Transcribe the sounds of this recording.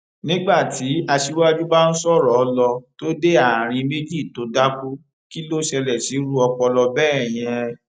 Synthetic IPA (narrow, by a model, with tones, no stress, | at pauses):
nĩ˦ɡ͡ba˦˨ti˨˦a˧ʃi˦wa˦d͡ʒu˦ba˦n̩˦sɔ˦˨ɾɔ˨˧lɔ˧to˦de˦a˦˨ɾ̃ĩ˧me˦d͡ʒi˦˨to˨˦da˦ku˦ | ki˦lo˦ʃɛ˧lɛ˨si˨˦ɾu˦ɔ˧k͡pɔ˧lɔ˧bɛː˦˨j̃ɛ̃˨˧